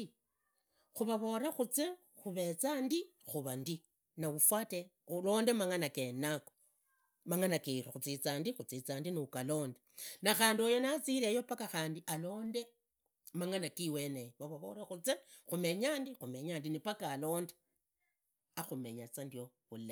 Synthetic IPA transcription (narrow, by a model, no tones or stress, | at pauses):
xuβaβo̞ɾaxut͡se | xuβe̞t͡sandi | xuβandi | naufwate | ulo̞ːnde̞maŋanakenako | maŋanakeɾoxut͡sit͡saːndixut͡sit͡saːndiniukalo̞ːndenaxaːndiojo̞nat͡silejo̞pakaxaːndiʔalo̞ːnde̞ | maŋanakiwe̞nejβaβaβo̞̰ɾaxut͡sexume̞ɲaːndixume̞ɲaːndinipakaːlo̞ːnde | axume̞ɲat͡sandioβula